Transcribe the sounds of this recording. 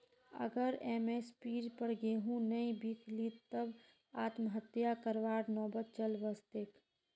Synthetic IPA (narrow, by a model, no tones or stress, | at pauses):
ə̰ɡəɾeːmeːspiːɾpəɾɡeːɦũnəĩbikʰliːt̪ːəb | aːt̪mɦət̪jakəɾʋaːɾnɔːbət̪̚t͡ʃəlʋəst̪ek